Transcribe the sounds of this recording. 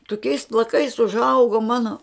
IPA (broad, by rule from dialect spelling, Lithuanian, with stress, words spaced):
toːˈkʲɛɪs plˠɐˈkɐɪs ʊʒˈɐʊɡʊ ˈmɑːnoː